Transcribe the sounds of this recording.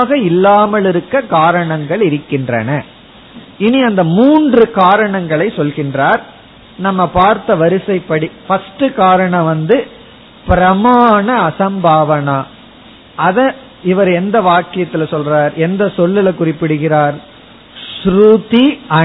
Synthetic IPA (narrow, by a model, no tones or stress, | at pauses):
ɣɐɪlːaːmɐɭɪɾɯkːɐkaːɾɐɳɐŋɡɐɭɪɾɯkːɪndrɐ̰nɐ | ɪniɐnd̪ɐmuːndrɯkaːɾɐɳɐŋɡɐɭɐɪsɔlɣɪndraːɾ | nɐmːɐpaːɾt̪ɐʋɐɾɯsɐɪpːɐɽifɐsʈɯkaːɾɐɳɐ̃ʋɐnd̪ɯ | pɪɾɐmaːɳɐːsɐmbaːʋɐna | ʔɐðɐ̃ | ɪʋɐɾɛnd̪ɐʋaːkːɪjɐt̪ːɪlɐsɔlraːɾɛnd̪ɐsɔlːɪlɐkʊrɪpːɪɽɯɣɪɾaːɾ | sɾut̪iɐ